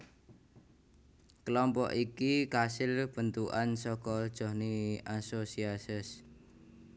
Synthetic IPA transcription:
kəlɔmpɔ̰ʔikikasɪlb̥ənt̪uʔansɔkɔd̥ʒ̥ɔ̤hniasosiasɪs

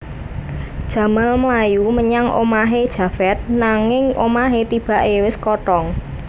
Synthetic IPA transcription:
d̥ʒ̥ä̤malmlajuməɲaŋʔo̰maɦed̥ʒ̥ä̤fɛt̪̚naŋɪŋo̰maɦet̪ib̥a̤ʔewɪskɔʈɔŋ

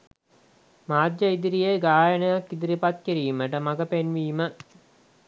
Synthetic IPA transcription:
maːd̪jɐid̪iɾijeɡaːjənəjakːid̪iɾipat̪̚kiɾiːməʈəmɐɡəpenʋiːmə

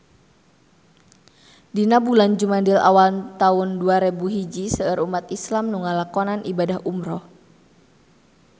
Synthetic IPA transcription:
dinabuland͡ʒumandɪla̰walnt̪aʊnduaɾebuɦid͡ʒisəərumat̪islamnuŋalakɔnanʔibadahʔumɾɔh

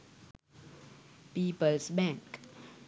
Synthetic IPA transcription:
piːpəlsbɛ̃ŋk

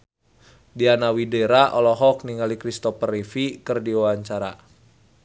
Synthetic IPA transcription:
dianawideɾaʔɔlɔɦɔk̚niŋalikɾist̪ɔpərifikɨrdiwawaɲt͡ʃaɾa

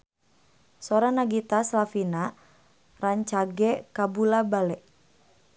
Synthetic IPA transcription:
sɔɾanaɡit̪aslafina | raɲt͡ʃaɡɛkabulabalɛʔ

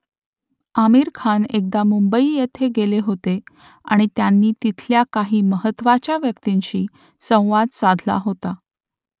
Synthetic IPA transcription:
amiɾkʰanek̚d̪amumbəiːjet̪ʰeɡeleɦot̪e | a̰ɽ̃it̪janːiːt̪it̪ʰljakaɦiːməɦət̪ːʋat͡ɕjaʋjəkt̪iɲɕiː | sə̃w̃ʋad̪sad̪ʱla̰ɦot̪a

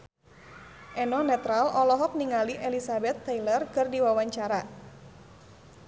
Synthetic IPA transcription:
ʔɛnɔnɛt̪ɾalɔlɔɦɔk̚niŋaliʔelisabɛt̪ːɛjlərkərdiwawaɲt͡ʃaɾa

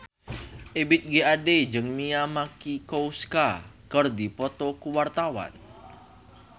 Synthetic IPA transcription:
ʔebɪt̪̚ɡeaded͡ʒəŋmiamakikowskakərdipɔt̪ɔkuwart̪awa̰n

